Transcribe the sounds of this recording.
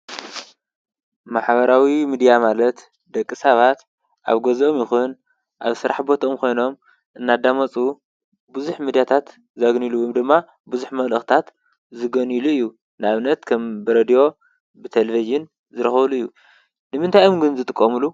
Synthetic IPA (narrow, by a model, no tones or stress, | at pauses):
maħβɐɾawimid̪ijamalɐt̪ | d̪ɐkʼːisɐβat̪ | ʔa̰βɡɐzomjɪxun | ʔa̰βsɨɾʔa̰ħbo̞t̪ʰɐomkʰo̞jno̞m | ʔɨnːad̪amɐt͡sʼu | bɨzuħmid̪ijat̪ʰat̪ | zaɡniluwumd̪ɨmːa | buzuħmɐlɐxt̪ʰat̪ | zɨɡɐniluɨjːu | nɨaβnɐt̪kʰɐmbɨɾed̪ijo̞ | bɨt̪ʰelɐviʒɨn | zɨɾɐxɐβluɨjːu | nɨmɨnt̪ʰajomɡɨnzɨt̪ʼɨkʼːɐmulu